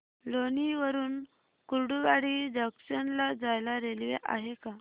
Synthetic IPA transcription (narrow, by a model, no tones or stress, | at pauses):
loniʋəɾuːn | kuɾɽuʋaɽidəksənlad͡zajlaɾelʋḛʔa̰ɦeka